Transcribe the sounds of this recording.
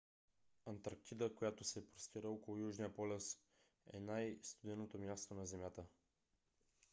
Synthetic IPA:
ɐnt̪aɾk̚t̪id̪əkojat̪osɛpɾost̪iɾəɔkolˠʊjuʒnijəpɔlʲəs | ɛ̰najst̪ʊd̪ɛnːot̪omjast̪onɐzɛmʲjat̪ə

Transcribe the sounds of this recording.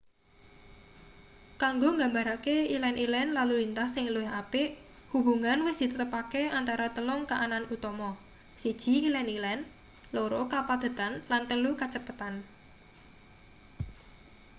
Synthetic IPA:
kaŋɡoŋɡambaɾakeilɛnʔilɛnlalulint̪asɪŋluɪɦapɪʔ | hubṳŋanwɪsd̪̥it̪ət̪əpakeant̪aɾat̪əlʊŋkaʔananut̪ɔmɔ | sid̥ʒ̥i̤ilɛnilɛn | loɾokapad̪̥ə̤t̪anlant̪əlukat͡ʃəpət̪an

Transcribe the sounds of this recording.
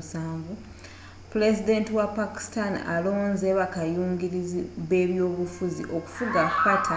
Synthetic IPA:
saːɱvu | puɾe̞zide̞ntiwapaki̥stana̰lo̞ːnzeβakajuːŋɡiɾiziβe̞βjo̞ːβufuzḭʔo̞ku̥fuɡakukatʰa

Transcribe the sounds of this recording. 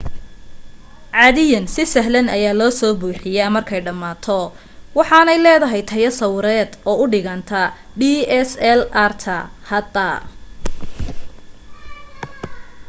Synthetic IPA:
ʕɑːðɪjɐnsɪsɐɦlɐnɐjaːlɔːsɔːbuːħɪjamɐrkʰɛjɖɐmːaːt̪ʰɔ | wɑħɑːnɛjlɛːðɐɦɛjt̪ʰɐjɐsɐwɾɛːd̪ɔːʊɖɪɣɐnt̪ʰɐ | ɖiːɛsɛlɐrt̪ʰɐhɐd̪ɐ

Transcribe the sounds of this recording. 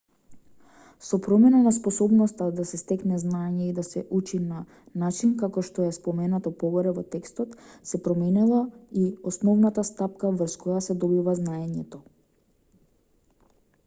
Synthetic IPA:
sɔpɾɔmɛnanaspɔsɔbnɔst̪ad̪asɛst̪ɛknɛznaɛɲɛid̪asɛʔut͡ʃina | nat͡ʃinkakɔʃt̪ɔjɛspɔmɛnat̪ɔpɔɡɔɾɛvɔt̪ɛkst̪ɔt̪sɛpɾɔmɛnɛlˠaiɔsnɔvnat̪ast̪apkavr̩skɔjasɛd̪ɔbivaznaɛɲɛt̪ɔ

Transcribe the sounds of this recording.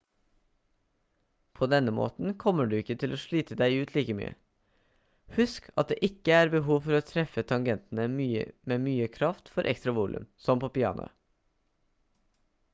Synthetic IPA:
pʰoːd̪ɛnəmo̰ːt̪n̩kʰɔməɖʉːɪkːət̪ʰɪloːʃɭiːt̪əd̪æɪʉːt̪ʰliːkəmy̰ːə̰ | hʉskʰɑ̰t̪̚d̪ḛːʔɪkəæːɾbəɦuːʋfɔɾoːt̪ʰɾɛfət̪ʰɑŋɡɛnt̪n̩əmyːə̰meːmyːəkʰɾɑft̪fɔɾʔɛ̰kst̪ɾɑʋuːlʔʉ̰msɔmpʰoːpɪɑ̰ːnʊ̰

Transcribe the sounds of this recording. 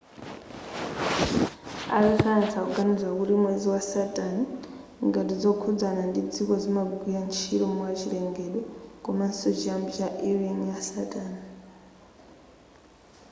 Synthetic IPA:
a̰rikanat͡sakuɡanid͡zwakuɾimwed͡ziwasatʼaniŋɡatid͡zokʰud͡zanandid͡zikod͡zimaɡʱijant͡ʃʰiɾomuat͡ʃireŋɡeɗokomasod͡ʒambaʔirinjasatʼaːni

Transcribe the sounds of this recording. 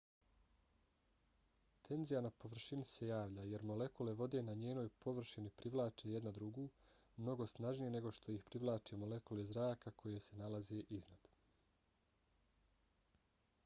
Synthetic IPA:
t̪ʰe̞nzijanapo̞ʋr̩ʃinise̞jaːʋʎaje̞ɾmo̞le̞kule̞ʋo̞d̪e̞naɲeːno̞ːjpo̞ʋr̩ʃinipɾiʋlˠaːt͡ʃeje̞d̪nad̪ɾuɡuː | mno̞ɡo̞snaʒnijene̞ɡo̞ʃt̪o̞ixpɾiʋlˠaːt͡ʃemo̞le̞kulezɾaːkakʰo̞je̞se̞nalazeʔiznad̪̥

